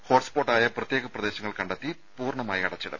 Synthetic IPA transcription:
ho̞ːʈspo̞ːʈːaːjɐprɐt̪jeːɣɐprɐd̪e̞ːɕɐŋːɐɭkɐɳɖɐt̪ːi | puːrɳɐmaːjiɐɽɐt͡ɕːiɽɐ̰m

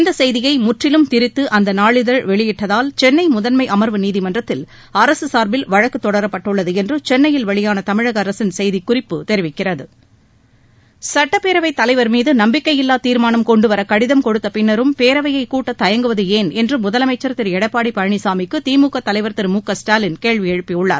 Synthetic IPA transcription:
ɪnd̪ɐsɛjðɪjɐɪmʊʈrɪlɯmt̪ɪɾɪt̪ːɯʔɐnd̪ɐnaːɭɪðɐɻʋɛɭɪjɪʈːɐðaːlt͡ʃɛnːɐɪmʊðɐnmɐɪʔɐmɐɾʋɯniːðimɐndrɐt̪ːɪl | ɐɾɐsɯsaːɾbɪlʋɐɻɐkːɯt̪ːɔɽɐɾɐpːɐʈːɯɭːɐðɯɛndrɯt͡ʃɛnːɐjɪlʋɐɭɪjaːnɐt̪ɐmɪɻɐɣɐɐɾɐsɪnsɛjðikʊrɪpːɯt̪ɛɾɪʋɪkːɪrɐðɯ | sɐʈːɐpeːɾɐʋɐɪt̪ːɐlɐɪʋɐɾmiːðɯnɐmbɪkːɐjɪlːaːt̪iːɾmaːnɐmkɔɳɖɯʋɐɾɐkɐɽɪðɐmkɔɽɯt̪ːɐpɪnːɐɾɯmpeːɾɐʋɐjɐɪkuːʈːɐt̪ɐjɐŋɡɯʋɐðɯeːnɛndrɯmʊðɐlɐmɐɪt͡ʃːɐɾt̪ːɪɾɛɽɐpːaːɽipɐɾɐɳisaːmɪkːɯt̪iːmuːkːɐt̪ːɐlɐɪʋɐɾt̪ɪɾmuːkːɐsʈaːlɪnkeːɻʋijɛɻɯpːɪjʊɭːa̰ːɾ

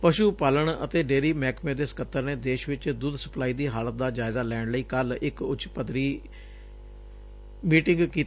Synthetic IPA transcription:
pəʃuːpaːləɳə̰t̪eːɖeːɾiːmɛːkmẽːd̪eːskət̪ːəɾneːd̪eːʃʋɪt͡ʃd̪uːd̪sə̥plaːiːd̪iːɦaːlət̪̚d̪aːd͡ʒaːɪzaːlɛːɽləiːkəlɪkʊt͡ʃpəd̪ɾiː | miːʈɪ̃ŋɡkiː

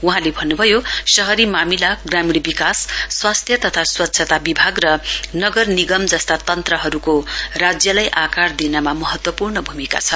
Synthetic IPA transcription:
uɦãlebʱʌnːubʱʌjosʌɦʌɾimamilaɡramiɽbikasːwast̪ʰjʌt̪ʌt̪ʰaswʌt̪ːsʰʌt̪abibʱaɡrʌnʌɡʌrniɡʌmd͡zʌst̪at̪ʌnt̪rʌɦʌɾukorad͡zjʌlajʔakard̪inʌmamʌɦʌt̪wʌpurɳʌbʱumika̰t͡sʰʌ

